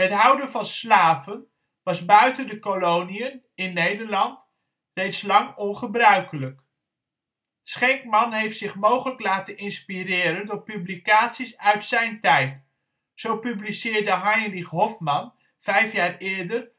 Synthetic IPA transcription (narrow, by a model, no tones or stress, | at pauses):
ɦətɦʌwdənvɑnslaːvən | ʋɑzbœɥtəndəkolowniən | ɪnːejdəɹlɑnt | rejtslɑŋɔnχəbrœɥkələk | sχɛŋk̚mɑnɦejftsɪχmowχələklaːtənɪnspirɪːɾəndʊːɹpyblikaːtsisœɥtsɛjntɛjt | sowpyblisɪːɹdəɦɑjrɪχɦɔfmɑn | v̥ɛjfjaːɹɪːɹdər